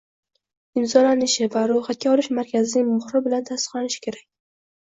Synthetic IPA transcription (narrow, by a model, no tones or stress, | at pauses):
ɪmzɒlanɪʃɪvaɾʊjχat̪̚kʲaɒlɪʃmaɾkʲʰazɪnɪŋmʊχɾɪbɪlant̪ʰast̪ɨ̥qlanɪʃɪ̥kʲʰe̞ɾakʲ